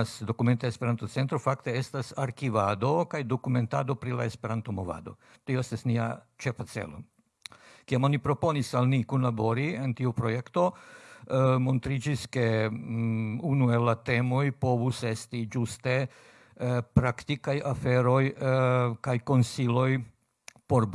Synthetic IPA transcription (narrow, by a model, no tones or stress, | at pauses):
sdo̞kume̞nt̪eespe̞ɾant̪ot͡se̞nt̪ɾo̞fakte̞e̞stasaɾkivado̞kajdo̞kume̞ntado̞pɾila̰e̞spe̞ɾant̪o̞mo̞va̰do̞̰ | tioe̞st̪asnia̰ | t͡ʃe̞fat͡se̞̰lo̞̰ | kiamo̞nipɾo̞po̞nisalnikunlabo̞ɾientiupɾo̞jekto | mo̞nt̪ɾid͡ʒiske̞ | unue̞lːate̞mo̞jpo̞vuse̞stid͡ʒuste̞ | pɾaktikajafe̞ɾo̞j | kajko̞nsilo̞j | po̞ɾ